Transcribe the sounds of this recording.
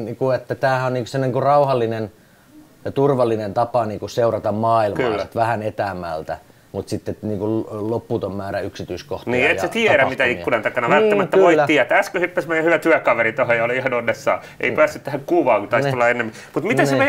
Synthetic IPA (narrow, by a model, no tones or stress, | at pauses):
niːkuet̪ːæt̪æːhæonniːkosemniŋkurɑuhɑlːinen | t̪urʋɑlːinent̪ɑpɑniːŋkusseurɑt̪ɑmmɑːilmɑ̰ːsit̪ʋæhænet̪æːmːæ̰lt̪æ̰ | mut̪sit̪ːeniːŋkullopːuːt̪ommæːɾæyksit̪yisko̰ht̪niːej̪set̪iɛɾæmit̪æiːunɑnt̪ɑkɑnɑnʋælt̪ːæmæt̪ːæʋoiːæt̪ːiæt̪æskøhypːæsmeijæhyʋæt̪yækɑʋeɾit̪ohojɑoliihɑnonːesːɑ̰ː | ʔḛipæːsːyt̪t̪æhækkuːʋɑːŋkut̪ɑisolːɑenːemːi | mut̪mit̪æsneʋe